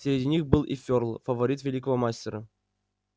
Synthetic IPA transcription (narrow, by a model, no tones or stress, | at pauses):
sʲɾʲɪdʲinʲixbɨlˠʔḭfʲorlˠfəvɐɾʲit̪vʲɪlʲikəvəmasʲtʲɪɾə